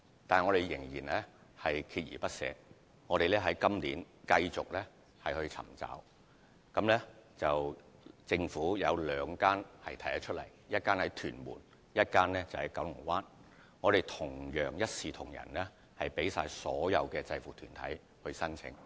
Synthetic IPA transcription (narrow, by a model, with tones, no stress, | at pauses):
t̪aː˨ŋɔː˨˧ɾe˨˩jjɪ˨˩ŋjiː˨˩nlɛ˥hɐ˨jkʰiː˧t̚jḭː˨˩pɐ˥t̚sɛ̰ː˧ | ŋɔː˨˧ɾe˨jlɛː˥ɦɐ˨˥jkɐ˥mliː˨˥n | kɐ˧jt͡sʊ˨k̚lɛː˥ | hɐ˨jhɵ˧ɥt͡sʰɐ̰˨˩mt͡sa̰ː˨˥w | kɐ˨˥mlɛː˥t͡sɐ˨wt͡sɪ˧ŋfuː˨˥jɐ˨˧wlœː˨˧ŋkaː˥nhɐ˨jt̪ʰjhɐ˨˧t͡ʃʰɵ˥t̚lɐ̰˨˩jjɐ˥t̚kaː˥nhɐ˨˥jt̪ʰyː˨˩nmṵː˨˩n | jɐ˥t̚kaː˥nlɛ˥t͡sɐ˨˩whɐ˨jkɐ˨˥wlʊ˨˩ŋwaː˥n | ŋɔː˨˧ɾe˨˩jt̪ʰʊ˨˩ŋjœː˨˩ŋjɐ˥t̚siː˨t̪ʰʊ˨˩ŋjɐ̰˨˩nlɛː˥ | hɐ˨jpe˨˥jsa̰ː˧jsɔː˨˥jɐ˨˧wkɛː˧t͡sɐ˧jfuː˨˩t̪ʰyː˨˩nt̪ʰɐ̰˨˥j | hɵ˧ɥsɐ˥nt͡sʰɪ̰˨˥ŋ